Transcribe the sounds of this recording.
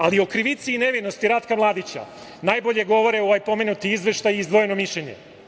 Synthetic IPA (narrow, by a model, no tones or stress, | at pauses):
alio̞kɾiʋit̪siːne̞ʋino̞st̪iɾat̪kamlˠaːd̪it͡ɕa̰ | naːjbo̞ʎe̞ɡo̞ʋo̞ɾeoʋajpo̞me̞nut̪iizʋe̞ʃt̪ajiizd̪ʋo̞jeno̞miʃʎeɲḛ